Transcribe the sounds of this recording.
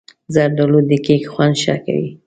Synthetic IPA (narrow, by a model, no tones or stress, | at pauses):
zaɾɖalod̪əkekxwand̪ʃɑ̰ka̰wḭ